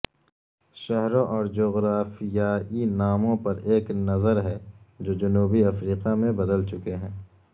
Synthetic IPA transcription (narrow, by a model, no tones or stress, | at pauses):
ʃɛɦɾõʔɔːɾd͡ʒoːɣɾaːfijaːinaːmõpɐɾeːknɐzəɾɦɛd͡ʒoːd͡ʒɐnuːbiɐfɾiːqamẽbɐd̪əlt͡ʃʊkeɦɛ̃ː